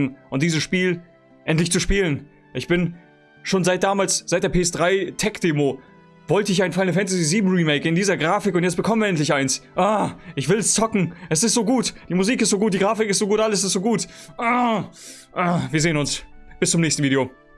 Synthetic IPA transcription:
ŋ̩ʔʊntd̥iːzəsʃpiːl | ʔɛntlɪçt͡suʃpiːlən | ʔɪçb̥ɪn | ʃoːnzaɪt̚d̥aːmaːlsz̥aɪt̚d̥eːɐpeːɛsd̥ʁaɪtʰɛkd̥eːmo | vɔltəɪçaɪnfaɪlnəfɛntaziziːbm̩ʁiːmeɪkɪndiːzɐɡʁaːfɪkʊntjɛt͡stb̥əkʰɔmniːɐɛntlɪçʔaɪnsʔaʔɪçv̥ɪlst͡sɔkŋ̩ʔɛs̬ɪstz̥oːɡuːtd̥iːmʊziːkɪstz̥oːɡuːt̚d̥iːɡʁaːfɪkɪstz̥oːɡuːtʔaləs̬ɪstz̥oːɡuːtʔa | ʔaviːɐzeːənʊnsb̥ɪst͡sʊmnɛːçstn̩viːdɾeo

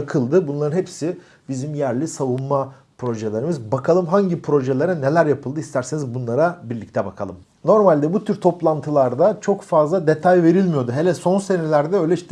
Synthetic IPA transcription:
kʰɯlˠd̪ɯbunlˠaɾɯnhepsi | bizimjæɾlʲisavunma | pɾo̞ʒelʲeɾimɯzbakʰalˠɯmɦaɲɟipʰɾo̞ʒelʲeɾane̞lʲæɾjapʰɯlˠd̪ɯist̪ʰæɾsenizbunlˠaɾabiɾlʲic̚t̪ʰɛbakʰa̰lˠɯm | no̞ɾmalʲd̪ɛbut̪ʰyɾt̪ʰo̞plˠant̪ʰɯlˠaɾd̪at͡ʃʰo̞kfazlˠad̪et̪ʰajve̞ɾilʲmijo̞d̪uɦelʲɛso̞nse̞nelʲæɾd̪ɛø̞jlʲɛiʃt̪ɛ

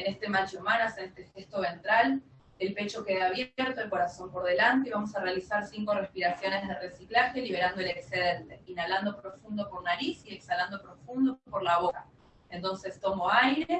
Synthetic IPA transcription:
ene̞st̪e̞mant͡ʃomanasaest̪e̞xest̪oβe̞nt̪ɾal | elpe̞t͡ʃo̞ke̞ðaːβ̞jeɾt̪oelko̞ɾaso̞mpo̞ɾð̞e̞lant̪e̞iβamo̞sarealisaɾsiŋko̞respiɾasjo̞ne̞zð̞ere̞siklaxe̞liβ̞e̞ɾand̪o̞elekseð̞e̞nt̪e̞inaland̪o̞pɾo̞fund̪o̞konnaɾisie̞ksaland̪o̞pɾo̞fund̪opoɾlaβo̞ka | ent̪o̞nse̞st̪o̞mo̞ajɾe̞

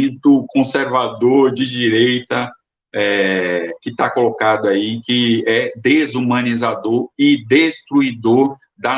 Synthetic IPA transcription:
t̪ʊkõseɾvad̪oɾd͡ʒɪd͡ʒiɾejt̪ɐ | ɛkɪt̪akolokad̪ʊaikɪɛd̪ezumɐ̃nizad̪oɾɪd̪est̪ɾuid̪oɾ | d̪ɐ

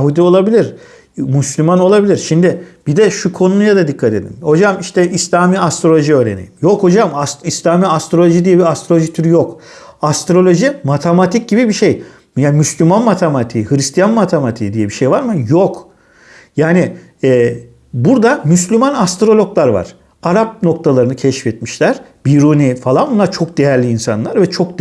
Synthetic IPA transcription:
ɦud̪io̞lˠabilʲiɾ | myslʲymano̞lˠabilʲiɾʃimd̪ɪb̥id̪ɛʃukʰo̞nunujad̪ad̪ikʰːat̪e̞d̪ḭnho̞d͡ʒamiʃt̪ʰɛislʲaːmiːast̪ɾo̞lʲo̞ʒiø̞ːɾḛnḭjimjoko̞d͡ʒamasislʲaːmiːast̪ɾo̞lʲoʒid̪ijɛbiast̪ɾo̞lʲoʒit̪ʰyɾjok | ast̪ɾo̞lʲo̞ʒimat̪ʰemat̪ʰic̚ɟibibiʃej | jaːnmyslʲymanmat̪ʰemat̪ʰihɯɾist̪ʰijanmat̪ʰemat̪ʰiːd̪ijɛbiʃejvaɾmɯjok | jaːni | ɛː | buɾd̪amyslʲymanast̪ɾo̞lʲo̞klˠaɾva̰ɾ̥ | aɾap̚no̞kt̪ʰalˠaɾɯnɯcʰɛʃfɛt̪miʃlʲæɾ̥ | biɾunifalˠanbunːˠaɾt͡ʃʰo̞k̚d̪̥e̞jæɾlʲiːnsa̰nlˠaɾvɛt͡ʃʰo̞k̪̚

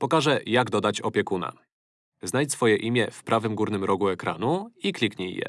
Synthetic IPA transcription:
pɔkaʐɛjaɡd̪ɔd̪at͡ɕɔpʲjɛkuna̰ | znaj̪sfɔjɛʔimʲjɛfpɾʔavɘmɡuɾnɘmɾɔɡuɛkɾa̰n̪uiklʲikɲɛjjɛ̰

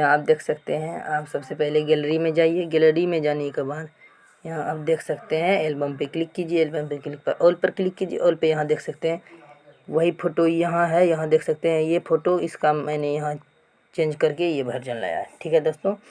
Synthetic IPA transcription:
jɐɦãaːp̚d̪eːkʰsɐk̚t̪eɦɛ̃aːpsɐbsepɛɦleɡɛːlɾimẽd͡ʒaːieɡɛːləɾimẽd͡ʒaːnekebaːd̪ | jɐɦãʔɐbd̪eːkʰsɐkt̪eɦɛ̃eːlbəmpeklɪkːid͡ʒieːlbəmpeklɪk̚pɐɾʔoːlpəɾklɪkːid͡ʒiḛʔoːlpejɐɦãd̪eːkʰsɐkt̪eɦɛ̃ːʋɐɦipʰoːʈojɐɦãɦɛjɐɦãd̪eːkʰsɐk̚t̪eɦɛ̃jepʰoːʈoɪskaːmmɛ̃ːnejɐɦã | t͡ʃẽːnd͡ʒkɐɾkejebʱɐɾd͡ʒɐnla̰ːja̰ɦɛʈʰiːkɦɛd̪oːst̪oː

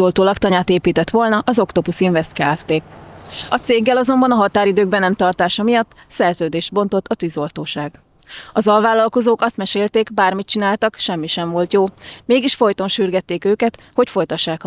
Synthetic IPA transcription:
olt̪oːlɒkt̪ɒɲaːt̪eːpiːt̪ɛt̪ʋo̞lnɒʔɒzo̞kt̪opusiɱvɛst̪kaːɛft̪eː | ɒt̪seːɡːɛlɒzo̞mbɒnɒɦɒt̪aːɾid̪øːɡ̚bɛnɛmt̪ɒrt̪aːʃɒmijɒt̪ː | sɛrzøːd̪eːʃd̪̚bo̞n̪t̪o̞t̪ːɒt̪yːzo̞lt̪oːʃaːɡ | ɒzɒlvaːlːɒlko̞zoːkɒst̪mɛʃeːlt̪eːɡbaːrmit͡ʃinaːlt̪ɒkʃɛmːiʃɛɱvo̞lt̪joːmeːɡiʃfo̞jt̪o̞nʃyːrɡɛt̪ːeːkøːkɛt̪ | ho̞cfo̞jt̪ɒʃːaːkɒ

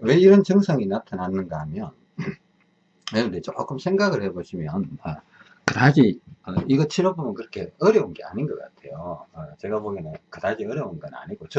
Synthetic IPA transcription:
we̞iɾʌnt͡ɕɯŋsʰʌŋinatʰananːɯnɡaɦamjʌn | wenɯndet͡ɕok͈ɯmsʰe̞ŋɡaɡɯɭhe̞boɕʰimjʌnma | kɯdad͡ʑiʌiɡʌt͡ɕʰiɾobomʌnkɯɾʌkʰe̞ʌɾjʌunɡe̞a̰ɲinɡʌk͈a̰tʰe̞joʌt͡ɕe̞ɡabomjʌnɯnkɯdad͡ʑiʌɾjʌunɡʌna̰ɲiɡot͡ɕ

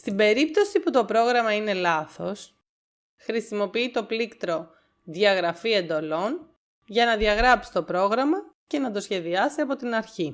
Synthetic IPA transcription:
st̪ibe̞ɾip̚t̪o̞siput̪o̞pɾo̞ɣɾɐmɐine̞lɐθo̞s | xɾisimo̞piit̪o̞plikt̪ɾo̞ | ðjɐɣɾɐfie̞nd̪o̞lo̞n | ʝɐnɐðʝɐɣɾɐpsi̥t̪o̞pɾo̞ɣɾɐmɐ | ce̞nɐd̪o̞sçe̞ðiɐsiɐpo̞t̪inɐɾçi

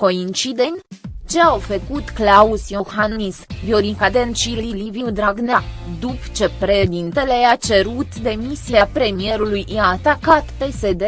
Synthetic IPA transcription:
ko̞int͡ʃid̪e̞nʲt͡ʃe̞awfəkut̪klausjohanisvjoɾikad̪ent͡ʃililiviud̪ɾaɡnad̪upt͡ʃe̞pɾeʃed̪int̪e̞le̞at͡ʃe̞ɾut̪d̪e̞misiapɾe̞mije̞ɾulujjaːt̪akat̪pe̞se̞d̪e̞

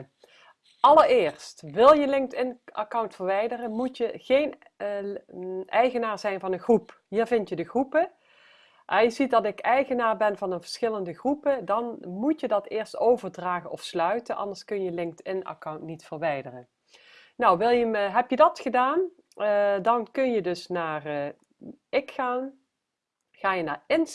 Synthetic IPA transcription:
ʔɑlərɪːɹstʋɪlˠjəlɪŋk̚tɪnʔakawntfəɹʋɛjdərənmutjəɣejn | ʔɛjɣənaːɹzɛjnvɑnəɣrup | ɦiːɹvɪntjədəɣrupə | ʔɛjəzit̚dɑtɪkɛjɣənaːɹbɛnvɑnənvəɹsxɪləndəɣrupədɑnmutjədɑtɪːɹstowvəɹdraːɣənʔɔfslœɥtəʔɑ̰ndəɹskɵnjəlɪŋk̚tʰɪna̰kawntnitfəɹʋɛjdərə | nɔwʋɪlˠjəmɦɛpjədɑtχədaːn | dɑnkɵnjədɵsnaːr | ɪkxaːn | χaːjənaːɹɪn

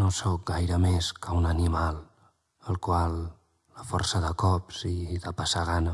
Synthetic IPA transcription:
nosɔk̚ɡajɾəmeskəunənimalˠ | əlˠkwalˠː | əfɔ̰rsəðəkɔpsiðəpəsaɣanə

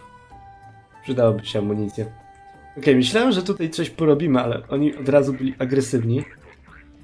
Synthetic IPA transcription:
pʂɘd̪awabɘɕɛamːuɲit̪sʲjɛ | ɔkɛjmɘɕlawɛmʐɛt̪ut̪ajt̪sɔɕpɔɾɔbʲimɘalɛ̰ʔɔɲiʔɔd̪ɾazubɘlʲiʔaɡɾɛsɘvɲi

